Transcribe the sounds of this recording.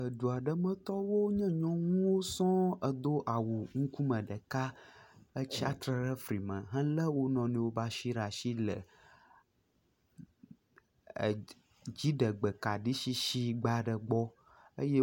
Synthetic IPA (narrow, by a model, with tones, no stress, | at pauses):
ə˨ɖu˨a˨ɖə˦mə̃˦t̪ɔ˦wo˦ɲɛ̃˦ɲɔ̃˦ŋũ˦wo˦sɔ̃˦ə˨d̪o˦ʔa˨wu˨ŋũ˦ku˦mə̃˨ɖə˨ka˦ə˦t͡ɕi˦a˦t̪ɾə˨ɾə˦fɾi˨mə̃˨ɦɛ̃˦lə˦wo˦nɔ̃˨nĩ˨wo˦ba˦ʃi˦ɾa˨ʃi˦lə̰˨ | d͡ʑi˦ɖə˨ɡ͡bə˨ka˨ɖi˦ʃi˦ʃi˦ɡ͡ba˦ɖə˨ɡ͡bɔ˦ | ə̰˦je˦